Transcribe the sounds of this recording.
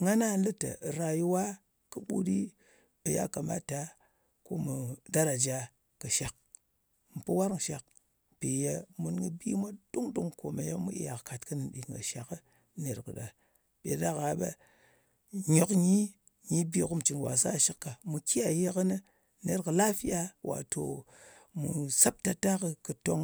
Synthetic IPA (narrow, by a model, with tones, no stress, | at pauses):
ŋa˦na˦lɨ˦tə̰˨ɾa˨ji˦wa˦ | kɨ˦ɓṵ˦di˦ | ɓə˨ja̰˦ka˨ma̰˦ta˨ | ko˦mu˨da˦ɾa˨d͡ʒa˦ | kə˨ʃa˨k̚ | m̩˨pu˦wa˦ɾŋ˨ʃa˨k̚ | pe˨ja˦mu˦nɡə˨bi˦mʷa˦du˦ŋdu˦ŋko˨ma˨ja˦mṵ˦ʔḛ˦ja˨kka˨tkɨ˦nɨ˨nɗḭ˨ŋɡə̰˨ʃa˨kə˦ | ne˨ɾkɨ̰˨ɗa˨ | bʲe˨da˦ka˨ɓa̰˦ | ɲo˨kɲi˦ | ɲi˦bi˦ku˦m˨t͡ʃi˨nwa̰˨sa̰˦˨ʃi˦kːa˨mu˨ki˦ja˨je˦kə˦nɨ˦ | ne˨ɾkɨ˨la˦fi˦ja˦wʔa̰˨to˨ | mṵ˨sa˦p̚ta˨ta˦kɨ˨kɨ˨to˦ŋ